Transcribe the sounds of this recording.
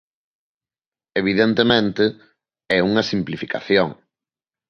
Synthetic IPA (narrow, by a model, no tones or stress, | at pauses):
eβ̞iðent̪emẽnt̪ɪ | ɛuŋɐsimplifika̰θjoŋ